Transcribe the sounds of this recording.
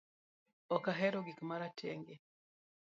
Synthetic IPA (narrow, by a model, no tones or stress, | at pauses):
ɔkaɦɛɾoɡikmaɾatʰɛ̰ŋɡe